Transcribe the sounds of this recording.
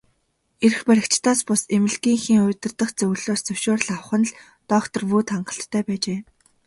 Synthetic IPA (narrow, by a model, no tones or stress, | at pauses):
erxpæɾʲɪ̆kt͡ɕt̪ʰaːspʊsemɘ̆ɮɡiːŋxiːŋʊːt̪ə̆rt̪ə̆χt͡sɵwɮoːst͡sɵwʃoːr̆ɮawχə̆nɮ | t̪ɔːkt̪ɞ̆rwuːt̪χaɴɢə̆ɬt̪ʰːœːpæːt͡ɕeː